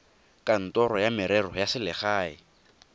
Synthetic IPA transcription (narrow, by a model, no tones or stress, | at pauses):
kʼan̩tɔɾɔjamɪɾɛrɔjasɪlɪχaːɪ